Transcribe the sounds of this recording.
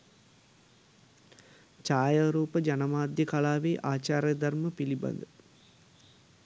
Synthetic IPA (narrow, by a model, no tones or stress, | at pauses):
t͡ʃaːjaɾuːpəd͡ʒɐnɐmaːd̪jəkalaːʋeːʔaːt͡ʃaːɾjɐd̪ɐrməpilibɐ̰nd̪ə